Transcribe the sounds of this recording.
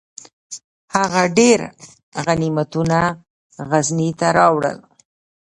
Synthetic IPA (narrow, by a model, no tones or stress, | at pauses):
haɣaɖeɾ | ɣanimat̪una | ɣaznit̪aɾɑwɽə̰l